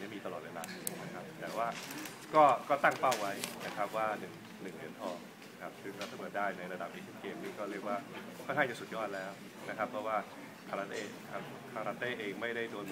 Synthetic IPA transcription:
ni˥˩miː˧a˧lɔː˨˩t̪̚weː˧laː˧na˦˥kʰa˦˥p̚t̪ɛ̰ː˨˩waː˥˩ | kɔː˥˩kɔː˥˩t̪a˥˩ŋpa˥˩wwa˦˥jna˦˥kʰɾa˦˥p̚waː˥˩nɯ˨˩ŋ | nɯ˨˩ŋlɯ˧˦˥nt̪ʰɔː˧˩ | na˦˥kʰa˦˥p̚sɯ˥˩ŋkɔ˥˩t̪a˥˩mu˨˩t̪̚daː˥˩jna˧jɾa˧da˨˩p̚ʔeː˧sʰe˦˥nkeː˧msɯ˥˩kɔː˥˩ɾi˥˩ək̚waː˥˩kʰɔ˥˩jɦa˥˩t͡ɕa˨˩su˨˩jɔː˥˩t̪̚lɛː˦˥w | na˦˥kʰa˦˥pʰɾɔ˦˥waː˥˩ | kʰaː˧a˧˥t̪eː˥˩kʰa˧ | kʰaː˧ɾa˦˧˥t̪eː˥˩ʔeː˧ŋma˥˩jda˥˩jdu˧ən

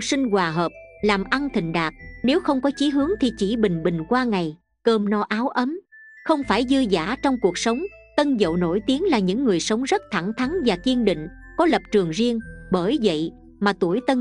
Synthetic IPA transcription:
sï˧ŋ̟kwaː˨˩ɦəː˨˩p̚laː˨˩mʔa˧nt̪ʰï˨˩ŋ̟ɗaː˨˩k̚ne˨˦wxə˧wŋ͡mkɔ˨˦t͡ɕi˨˦ɦɨ˨˦əŋt̪ʰi˨˩t͡ɕi˧˩ɓï˨˩ŋ̟ɓï˨˩ŋ̟kwaː˧ŋa˨˩j | kəː˧mnɔ˨˦ʔaː˨˦wʔə˨˦m | xə˧wŋ͡mfaː˧˩jzɨ˧za̰ː˧˩˥t͡ɕɔ˧wŋ͡mku˨˩ək̚sə˨˦wŋ͡m | t̪ə˧nzə̰˧˨wno̰˧˩jt̪i˨˦əŋlaː˨˩ɲɨ̰˧˥ŋːɨ˨˩əjsə˨˦wŋ͡mzə˦˥t̚t̪ʰa˧˩ŋt̪ʰa˨˦ŋvaː˨˩ki˧ənɗḭ˧˨ŋ̟ | kɔ˨˦lə˨˩p̚t͡ɕɨ˨˩əŋzi˧əŋɓəː˧˩jvə̰˧˨j | maː˨˩t̪u˧˩əjt̪ə˧n

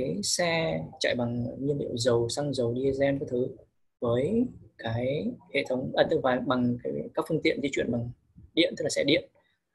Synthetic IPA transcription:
a˨˦jsɛ˧t͡ɕa̰ː˧˨jɓa˨˩ŋɲɨ˧nɗḭ˧˨ə˨wzə˨˩wsa˧ŋzə˨˩wɗi˧zɛ˧nkaː˨˦jt̪ʰɨ˨˦ | vəː˨˦jkaː˨˦jhḛ˧˨t̪ʰə˨˦wŋ͡mʔə˧˩t̪ɨ˧˩vaː˨˩ɓa˨˩ŋkaː˨˦jkaː˦˥k̚fɨ˧əŋt̪i˧˨ənzi˨˦t͡ɕwḭ˧˨ənɓa˨˩ŋ | ɗi˧˨ənt̪ɨ˦˥k̚laː˨˩sɛ˧ɗḭ˧˨ən

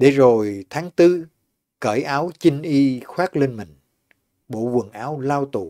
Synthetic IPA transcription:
ɗe˧˩zo˨˩jt̪ʰaː˨˦ŋt̪ɨ˧ | kəː˧˩jʔaː˨˦wt͡ɕï˧ŋ̟ʔi˧xwaː˦˥k̚le˧nmï˨˩ŋ̟ | ɓo̰˧˨vwə˨˩ŋʔaː˨˦wlaː˧wt̪ṵ˨˩

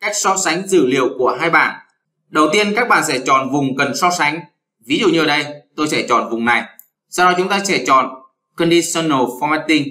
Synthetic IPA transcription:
kaː˦˥jk̚sɔ˧˥sa˨˦jŋ̟zɨ̰˧˩li˨əwku˧˩əɦaː˧jɓa̰ː˧˩˨n | ɗə˨˩wt̪i˧ənkaː˦˥k̚ɓa̰ː˧˨sɛ̰˧˩t͡ɕɔ̰˨˩nvʊ˨˩ŋ͡mkə˨˩nsɔ˧˥sa˨˦jŋ̟ | vi˨˦zṵ˧˨ɲɨ˨˧˩ə˨˩ɗə˧jt̪o˧jsɛ˧˩t͡ɕɔ̰˨˩nvʊ˨˩ŋ͡mna˨˩j | sa˧wnɔ˨˦t͡ɕʊ˨˦ŋ͡mt̪aː˧t͡ɕɛ˧˩t͡ɕɔ̰˧˨˩n | kə˧nɗi˧sɔ˧nːo˨˩fɔ˧mɛ˦˥t̪i˧ŋ

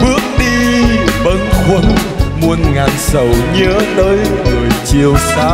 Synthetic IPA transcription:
ɓɨ˦˥ək̚ɗi˧ɓə˨˦nxwə˧˩n | mu˧ənŋaː˨˩nsə˨˧˩wɲəː˨˦t̪əː˨˦jləː˨˩jt͡ɕi˧˩əwsaː˧˦

